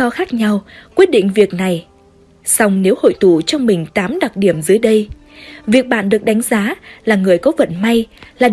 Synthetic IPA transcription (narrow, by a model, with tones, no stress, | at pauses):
ɔ˧xaː˦˥k̚ɲa˧wkwi˦˥ət̚ɗḭ̈˧˨ŋ̟vi˨˩ək̚na˨˩j | sa˧wŋ͡mne˨˦who̰˧˨jt̪u˧˩t͡ɕɔ˧wŋ͡mmï˨˩ŋ̟t̪aː˨˦mɗa˨˩t̚ɗi˧˩əmzɨ˨˦əjɗə˧j | vi˨˩ək̚ɓa̰ː˧˨nɗɨ˨˩ək̚ɗa˨˦jŋ̟zaː˨˦laː˨˩ŋɨ˨˩əjkɔ˨˦və̰˧˨nma˧jlaː˨˩